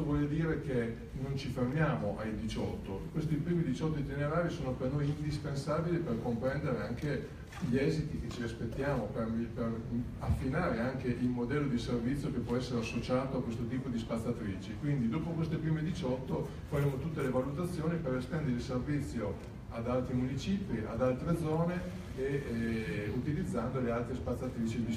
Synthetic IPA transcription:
ovwɔːled̪iːɾek̟e | nont͡ʃifermjaːmoʔajd̪it͡ʃɔt̪ːokwest̪ipɾiːmid̪it͡ʃɔt̪ːoit̪ineɾaːɾisoːnopernojind̪ispensaːbiliperkompɾɛnd̪eɾeaŋke | ʎiɛːzit̪iket͡ʃːiaspet̪ːjaːmoperiper | afːinaːɾeaŋkeʔilmod̪ɛlːod̪iservit̪sːjokepːwɔɛsːeɾeasːot͡ʃaːt̪oakwest̪ot̪̬iːpod̪ispat̪sːat̪ɾiːt͡ʃikwind̪id̪oːpokwest̪epɾiːmed̪it͡ʃɔt̪ːo | faɾemːot̪ut̪ːelevalut̪at̪sːjoːnipeɾest̪ɛnd̪eɾilservit̪sːjo | ad̪alt̪ɾimunit͡ʃiːpiʔad̪alt̪ɾed̪zɔːne | e | ut̪ilid̪zːand̪olealt̪ɾespat̪sːat̪ɾiːt͡ʃid̪i

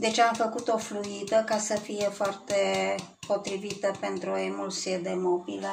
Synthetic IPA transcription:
d̪e̞t͡ʃeamfəkut̪o̞fluid̪əkasəfije̞foart̪e̞po̞t̪ɾivit̪əpe̞nt̪ɾuo̞emulsied̪e̞mobile

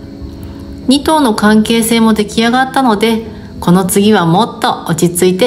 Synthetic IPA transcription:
ɲ̟it̪o̞ːno̞kãŋke̞ːse̞ːmo̞d̪e̞kʲiaɡat̪ːano̞d̪e̞ | ko̞no̞t͡sɨɡʲiβ̞amo̞t̪ːo̞ot͡ɕit͡sɨit̪e̞

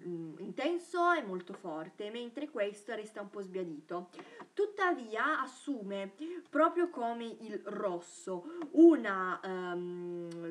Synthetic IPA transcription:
int̪ɛnsoɛmːolt̪ofɔrt̪ement̪ɾekwest̪oɾɛst̪aumpɔzbjad̪iːt̪ot̪ut̪ːaviːaasːuːmepɾɔːpɾjokomeʔilrɔsːouna

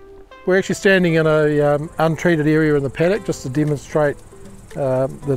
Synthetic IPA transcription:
wəɹæk̚t͡ʃʉl̩ˠistæ̃ndɪ̃ŋɨ̃nəʌ̃ntʰɹ̥iɾɨɾɛɹiɨɹɨ̃nðəpʰæɾɨk̚d̥ʒ̥ʌstʰədɛmə̃nstɹ̥eɪt̪̚ | ðɨ

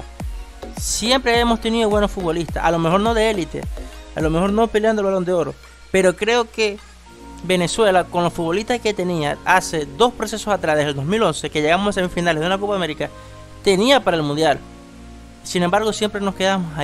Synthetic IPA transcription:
sje̞mpɾeaemo̞st̪e̞niðoβweno̞sfut̪βo̞list̪asa̰lo̞me̞xo̞ɾno̞ðe̞elit̪e̞̰a̰lo̞me̞xo̞ɾnopileand̪e̞lβalo̞nd̪eo̞ɾo̞̰ | pe̞ɾo̞kɾe̞oke̞ | βe̞ne̞swe̞lako̞nlo̞sfut̪βo̞liht̪asket̪e̞niaase̞d̪o̞spɾo̞se̞sosat̪ɾaðeeld̪o̞zmilo̞nse̞ke̞ʝeɣamosasemifinaleðunakopame̞ɾika | t̪e̞niapaɾaelmũnd̪jal | sinembaɾɣ̞osje̞mpɾe̞no̞ske̞ðamosa

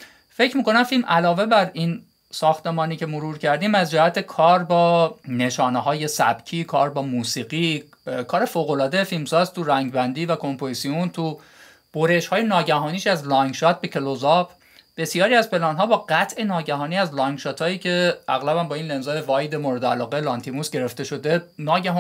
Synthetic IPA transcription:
fe̞cʰɾmiːkonæmfilmʔælɒːve̞bæɾin | sɒːxt̪e̞mɒːniːcʰe̞moɾuːɾcʰæɾd̪iːmæzd͡ʒæhæt̪ʰekʰɒːɾbɒːne̞ʃɒːneɦɒːje̞sæ̰b̥cʰiːkʰɒːɾbɒːmuːsiːɣiː | kʰɒːɾe̞foːɣo̞lɒːd̪efilmsɒːzt̪ʰuɾæŋɟbænd̪iːvækʰompʰozsiunt̪ʰu | b̥oɾeʃhɒːjenɒːɟæɦɒːniːʃæzlɒŋɡʃɒːt̪̚be̞cʰelozɒpʰ | b̥e̞sijɒːɾiæzpe̞lɒːnɦɒːbɒːɢæt̪ʰʔe̞nɒːɟæɦɒːniːæzlɒŋɡʃɒːt̪ʰɒːiːcʰe̞æɣlæbænbɒːiːnle̞nzɒːjevɒːjd̪e̞moɾe̞d̪eælɒːɣelɒnt̪ʰimusɟe̞ɾe̞ft̪e̞ʃo̞d̪e̞nɒːɟæh

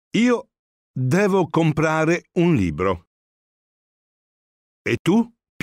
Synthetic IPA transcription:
iːo | d̪ɛːvokompɾaːɾeunlḭːbɾo | et̪ːu | p

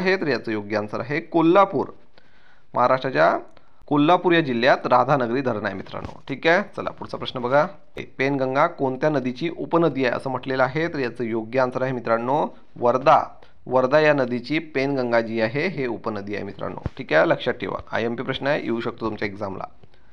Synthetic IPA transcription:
ɦet̪əɾjat͡səːjoɡjəansəɾaɦekolːapuːɾ | mʔəɦaɾaʂʈɾat͡ɕja | kolːapuɾjad͡ʑilːjat̪ɾad̪ʱanəɡɾiːd̪ʱəɾɳajemit̪ɾa̰ɳːo̰ʈʰiːkajet͡səla̰puɽ̤t͡sapɾəɕnəbəɡʱa | ḛpenɡəŋɡakoɳt̪janəd̪it͡ɕiːʔupənəd̪iːaɦḛʔə̰səːm̤əʈleləaɦet̪əɾjat͡səːjoɡjaansəɾaɦemit̪ɾaɳːo | ʋəɾd̪a̰ | ʋəɾd̪ajanəd̪it͡ɕiːpenɡəŋɡad͡ʑiːaɦeɦeupənəd̪iːa̰ɦḛmit̪ɾa̰ɳːo̰ʈʰiːkajləkʂatʰːḭʋa̰a̰jempiːpɾəɕnaɦejḛuɕək̚t̪ot̪umt͡ɕaeɡzamla̰

